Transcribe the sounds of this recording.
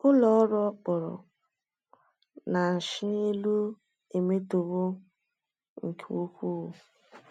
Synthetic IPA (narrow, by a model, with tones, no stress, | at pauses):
ʊ˦lɔ˨ɔ˦ɾɔ˦k͡pɔ˨ɾɔ̰˨ | na˨n̩˨ʃɪ˦ne˦lu˦ | e˨me˦to˨βʊ˦ | ŋ̩˨kʰe˦u˦kʷu˦˨